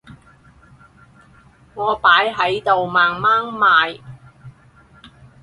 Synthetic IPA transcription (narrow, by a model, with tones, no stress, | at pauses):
ŋɔː˨˧paː˨˥jɦɐ˨˥jt̪o˨wmaː˨ŋmaː˥ŋmaː˨˧j